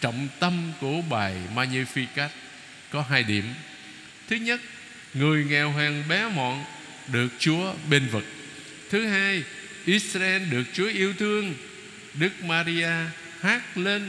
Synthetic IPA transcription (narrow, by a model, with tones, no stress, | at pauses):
t͡ɕə̰˧˨wŋ͡mt̪ə˧mku˧˩əɓaː˨˩jmaː˧ɲi˧fi˧ka˦˥k̚ | kɔ˨˦ɦaː˧jɗi˧˩əm | t̪ʰɨ˨˦ɲə˦˥t̚ | ŋɨ˨˩əjŋɛ˨˩wɦaː˨˩ŋɓɛ˨˦mɔ̰˧˨n | ɗɨ˨˩ək̚t͡ɕu˨˦əɓe˧nvɨ˨˩k̚ | t̪ʰɨ˨˦ɦaː˧j | ʔi˦˥t̚sraː˧ʔɛ˧nɗɨ˨˩ək̚t͡ɕu˨˦əʔi˧əwt̪ʰɨ˧əŋ | ɗɨ˦˥k̚maː˧ɾi˧ʔaː˧ | haː˦˥k̚le˧n